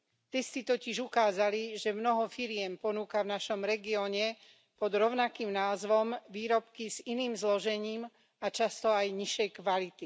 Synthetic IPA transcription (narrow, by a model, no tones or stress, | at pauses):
t̪ɛst̪it̪ɔciʒukaːzaliʒɛmnɔɦɔfiɾɪɛmpɔnuːkavnaʃɔmɾɛɡiɔːɲɛ | pɔd̪ɾɔʊnakiːmnaːzʋɔmʋiːɾɔpkiziniːmzlɔʒɛɲiːm | at͡ʃast̪ɔajɲiʃɛjkʋalit̪i